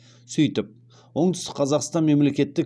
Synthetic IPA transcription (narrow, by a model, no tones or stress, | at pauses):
sʏjt̪ɪp̚ | wo̞ɴd̪ʏst̪ɪkqʰɑzɑqst̪ɑnme̞mle̞kʲe̞t̪ːɪk